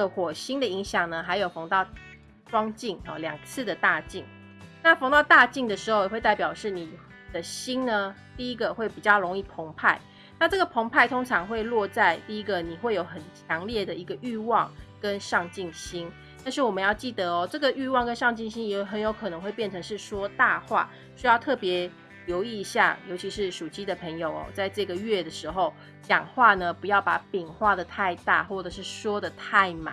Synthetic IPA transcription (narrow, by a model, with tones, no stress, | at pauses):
ə˨xwɔ˨˩ɕi˥nd̪ə˨i˧˦˥ŋɕjɑ˨˩ŋnə˩xa˧˥ɪjo˨˩ʊfo˧˥ŋt̪ɑ˥˩ʊ | ʈ͡ʂwɑ˥ŋt͡ɕi˥˩ŋɔ̰˨˩ljɑ̰˨˩ŋt͡sʰɹ̩˥˩d̪ə˩t̪a˥˧t͡ɕi˥˩ŋ | na˥˨fŋt̪ɑ˥˧ʊt̪a˥˧t͡ɕi˥˩ŋd̪ə˩ʂɻ̩˧˥xo˧ʊ˨we˥˧ɪt̪a˥˩ɪpjɑ˨˩ʊʂɻ̩˥˩ni˨˩ | d̪̥ə˦ɕi˥nnə˨ | t̪i˥˩i˥ɡə˨xwe˥˩ɪpi˨˩t͡ɕjɑ˥˩ʊlo˧˥ŋi˥˩pʰo˧˥ŋpʰa˥˩ɪ | na˥˧ʈ͡ʂɤ˥˩ɡə˩pʰo˧˥ŋpʰa˥˩ɪt̪ʰo˥ŋʈ͡ʂʰɑ˧˥ŋxwe˥˧ɪlwɔ˥˧t͡sa˥˧ɪt̪i˥˩i˦˥ɡə˨ni˨˩xwe˥˩ɪjo˨˧˥ʊxə˨˩nt͡ɕʰjɑ˧˥ŋljɛ˥˩d̪ə˩i˧˥ɡə˧y˥˧wɑ˥˨ŋkə˦nʂɑ˥˧ŋt͡ɕi˥˩ŋɕi˥n | t̪a˥˧nʂɻ̩˥˩wɔ˨˩mə˨˦njɑ˥˧ʊt͡ɕi˥˩d̪ə˩ɔ˨ʈ͡ʂɤ˥˩ɡə˨y˥˧wɑ˥˩ŋkə˦nʂɑ˥˧ŋt͡ɕi˥˩ŋɕi˥njɛ˧˥ɦə˧˦njo˧˥ʊkʰɤ˨˩nɤ˧˥ŋxwe˥˧ɪpjɛ˥˩nʈ͡ʂʰɤ˧˥ŋʂɻ̩˥˩ʂwɔ˥t̪a˥˧xwa̰˥˩ | ɕy˥jɑ˥˧ʊt̪ʰɤ˥˩pjɛ˧˥ | ljo˧˥ʊi˥˩˧ɕja̰˥˩jo˧˥t͡ɕʰi˧˥ʂɻ̩˥˩ʂu˨˩t͡ɕi˥d̪ə˨pʰə˧˥ŋjo˨˩ʊɔ̰˨˩t͡sa˥˧ɪʈ͡ʂɤ˥˩ɡə˩ɥɛ˥˩d̪ə˩ʂɻ̩˧˥xo˥˧ʊ | t͡ɕjɑ̰˨˩ŋxwa˥˩nə˩pu˧˥jɑ˥˩ʊpa˧˥pi˨˩ŋxwa˥˩d̪ə˩t̪ʰa˥˧ɪt̪a̰˥˩xwɔ˥˩ʈ͡ʂɤ˨˩ʂɻ̩˥˩ʂwɔ˥d̪ə˨t̪ʰa˥˩ɪma̰˨˦